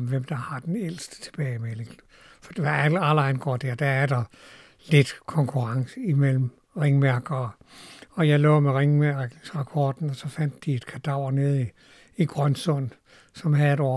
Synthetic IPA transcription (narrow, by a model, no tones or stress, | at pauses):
mʋem̰d̥ɑ̈hɑ̈d̥enel̰sd̥ə̥t͡sʰe̝b̥ɛːɪmeleɡ̥ | fɒd̥e̝ʋɑ̈ælælɑɪnɡ̥ɒ̰ːd̥æɐ̰d̥ææɐd̥ɑ̈ | le̝d̥kʰɒ̽ŋkʰuʁɑ̈ŋsəimel̰m̩ | ʁeŋmæɐɡ̥ɐ | ɒ̽jɑ̈ɪlɔ̰̽ːmeʁeŋmæɐɡ̥sʁɑ̈pʰɒːd̥n̩ɒ̽sɒ̽fæn̰d̥ːie̝d̥kʰæd̥ɑ̈ʊ̰ne̝ð̞̩ˠi | iɡ̥ʁɶnsɔ̽n̰ | sɒ̽mɦæðˠedɒ